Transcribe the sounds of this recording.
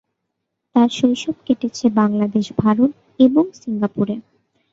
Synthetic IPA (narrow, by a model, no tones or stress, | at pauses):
t̪aɾʃojʃɔb̚keʈet͡ɕʰebaŋlad̪eʃbʱaɾot̪ | eboŋsiŋɡapuɾe